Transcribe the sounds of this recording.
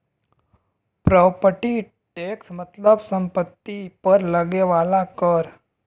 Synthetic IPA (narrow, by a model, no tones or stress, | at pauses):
pɾɔːpəʈi | ʈeːksmət̪ləbsə̃mpət̪ːipəɾləɡeʋaːlakəɾ